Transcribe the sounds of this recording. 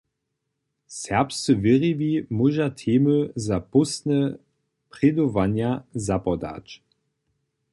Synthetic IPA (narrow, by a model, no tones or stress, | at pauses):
sɛɐpst͡səvɪʁivimuʒatʰeːmøzapʊsnə | pʁ̥ɛd̪ovanjazapɔda̰t͡ʃ